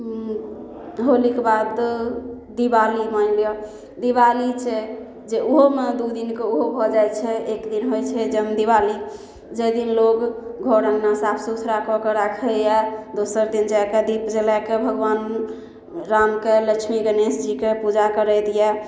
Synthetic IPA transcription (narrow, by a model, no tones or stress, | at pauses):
ɦolikebad̪ | d̪ibalimalijɔ | d̪iβalit͡ʃʰɛ | d͡ʒeuɦomed̪ud̪inkeuɦobʱɔd͡ʒajt͡ʃʰɛekd̪inɦojt͡ʃʰɛd͡ʒemd̪ibali | d͡ʒəjd̪inlokɡʱɔɾəŋɡnasapʰsusʰɾakɔkeɾakʰɛjɛd̪osəɾd̪ind͡ʒaked̪ipd͡ʒelakebʱəɡʋan | ɾamkeləkt͡ʃʰmiɡənesd͡ʒikepud͡ʒakəɾɛd̪ijɛ